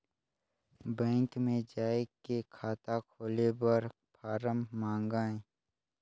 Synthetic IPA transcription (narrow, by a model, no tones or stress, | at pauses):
bɛ̃ːŋkmẽd͡ʒaːekekʰaːt̪akʰoːlebəɾ | pʰaːɾəmːãːŋɡaːẽ